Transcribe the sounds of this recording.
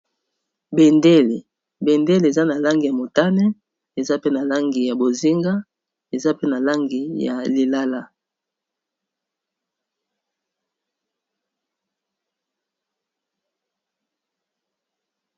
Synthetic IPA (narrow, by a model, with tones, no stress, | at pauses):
be˨nde˦li˨ | be˨nde˦li˨e˨za˦na˨la˦ŋɡi˨ja˨mo˨ta˦nɛ˦ | e˨za˦pe˦na˨la˦ŋɡi˨ja˨bo˨zi˦ŋɡa˦ | e˨za˦pe˦na˨la˦ŋɡi˨ja̰˨li˨la˦la˦